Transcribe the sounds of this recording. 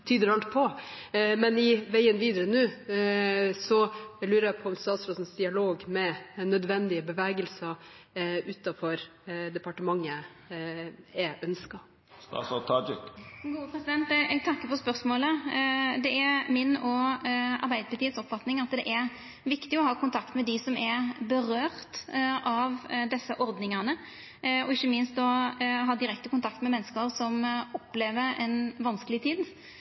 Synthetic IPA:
t̪ʰyːd̪əɾɑɳʈpʰɔ | mɛnɪʋæɪənʋiːd̪əɾənʉː | sɔlʉːɾəjæpʰɔɔmst̪ɑːt̪sɾɔsnsd̪ɪɑloːɡmɛnœd̪ʋɛnd̪ɪəbəʋæːɡəlsɑ | ʉːt̪ɑfɔɾd̪ɛpɑʈəmɑŋːə | ɛʔœnskɑ | st̪ɑ̰sɑt̪ʰɑd͡ʒɪkɡuːəpʰɾɛsɪd̪ɛnt̪ɛɡ̚t̪ʰɑkːəpɔspœɾsmoːləd̪ɛæɾmɪnɔɑ̰ɾbæɪd̪əpɪt̪ʰiːəd̪sɔpfɑt̪nɪŋɑt̪d̪ɛʔæɾ | ʋɪkt̪ɪɔhɑːkʊnt̪ʰɑkt̪mɛd̪ɪsɔmɛɾbəɾøːɾt̪ʔɑʋd̪ɛsːəʔɔɾd̪nɪŋɑnə | ɔɪçːəmɪnst̪ɔɦɑːd̪ɪɾɛk̚t̪əkʊnt̪ʰɑkt̪mɛmɛnːəskəʁsɔmɔpːleːʋəɛnʋɑnskəlɪt̪ʰiːd̪

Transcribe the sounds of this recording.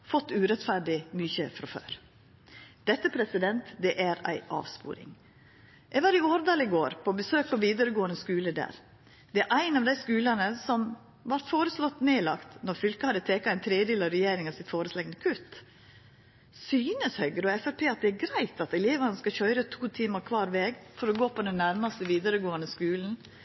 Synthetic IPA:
fɔt̪ːʉːɾɛt̪fæɖɪmyːçəfɾɔfø̰ːɾ | d̪̥ɛt̪ːəpʰɾɛsɪd̪ɛnt̪d̪ɛʔæɾæ̰ɪʔɑ̰ːʋspṵːɾɪ̰ŋ | jæɪɡʋɑːɾɪoːɾd̪ɑːlɪɡoːɾpʰɔbəsøːk̚pʰɔʋiːd̪əɾəɡoːənəskʉːləd̪æ̰ːɾ | d̪̥ɛæɾʔæɪnɑʋd̪æɪskʉːlɑnəsɔm | ʋɑɾt̪foːɾəslɔt̪ːneːlɑkt̪nɔɾfʏlkəhɑd̪ət̪ʰeːkɑæɪnt̪ʰɾeːd̪eːlɑɾɛjeːɾɪŋɑʋsɪt̪foːɾəslɛŋnəkʰʉt̪ː | syːnəshœʏɡɾəɔɛfæɾpʰeːɑt̪̚d̪ɛæɾɡɾæɪt̪ʰɑt̪ɛleːʋɑnəskɑçœʏɾət̪ʰuːt̪ʰiːmɑɾkʰʋɑːɾʋɛːɡfɔɾɔɡoːpɔd̪ɛnːæɾmɑst̪əʋiːd̪əɾəɡoːənəskʉːln̩

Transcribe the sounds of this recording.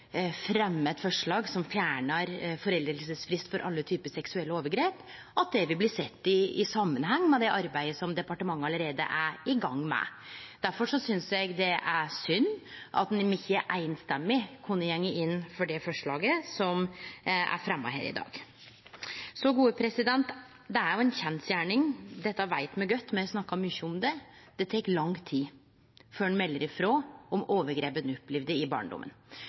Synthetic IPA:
fɾɛmːɛt̪fɔʂɭɑːɡsɔmfjæːɳəɾfɔɾɛld̪ɾləsəsfɾɪst̪fɔɾʔɑ̰lːət̪ʰyːpəsɛksʉɛlːəoːʋəɾɡɾeːp | ɑt̪̚d̪ɛʋɪlblɪːsɛt̪ːɪɪsɑmːənɦɛŋːmɛd̪ɛʔɑɾbæɪəsɔmd̪ɛpɑʈəmɑŋːɑləɾeːd̪ə̰ʔæɾɪɡɑŋːmɛ̰d̪̥æɾfɔʂɔsʏnsjæɪɡd̪ɛʔæsʏnːʔɑ̰t̪nmɪçəʔæɪnst̪ɛmːɪkʰʊnːəjɛŋːəɪnːfɔɖɛfɔʂɭɑːɡəsɔm | æ̰ɾfɾɛmːɑ̰ɦḛːɾɪ̰d̪ɑ̰ːɡ̥ | sɔɡuːəpʰɾɛsɪd̪ɛnt̪ | d̪ɛæɾjʊɛnçɛnsjæːɳɪŋd̪ɛt̪ːɑʋæɪt̪mɛɡœt̪ːmɛɔsnɑkːɑmʏçːəɔmd̪ɛd̪̥ɛt̪ʰɛkːlɑŋt̪ʰiː | føːɳmɛlːəɾɪfɾoːɔmoːʋəɾɡɾeːpənʉpːlɪʋd̪əɪbɑ̰ːɳɖʊ̰mːʔə̰n

